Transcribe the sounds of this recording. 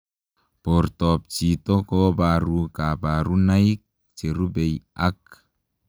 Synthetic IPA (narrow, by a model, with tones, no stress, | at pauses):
po˨ɾtɔ˨p̚t͡ʃi˨tɔ˦kɔ˦baɾukaba˨ɾu˦na˦jik̚ | t͡ʃe˨ɾu˦be˨jak̚